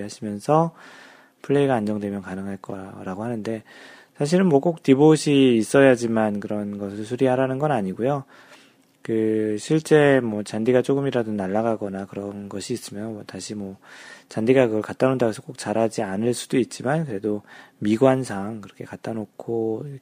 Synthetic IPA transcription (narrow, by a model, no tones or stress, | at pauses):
ɦaɕʰimjʌnsʰʌ | pʰɯɭːe̞iɡaːnd͡ʑʌŋdwe̞mjʌnkanɯŋɦaɭk͈ʌɾaɡoɦanɯnde̞ | sʰaɕ̬ʰiɾɯnmwʌk͈ok̚tiboɕʰiːs͈ʌjad͡ʑimankɯɾʌnɡʌs̬ʰɯɭsʰuɾiɦaɾanɯnɡʌnaɲiɡojo | kɯɕʰiɭt͡ɕ͈e̞mwʌt͡ɕandiɡat͡ɕ͈oɡɯmiɾadonaɭːaɡaɡʌnakɯɾʌnɡʌɕʰiːs͈ɯmjʌnmʌtaɕʰimwʌt͡ɕandiɡakɯɡʌɭkat͈anondaɡesʰʌk͈ok̚t͡ɕ͈aɾɦad͡ʑianɯɭs͈u̥doit̚t͡ɕ͈imankɯɾe̞domiɡwansʰaŋkɯɾʌkʰe̞kat͈anokʰo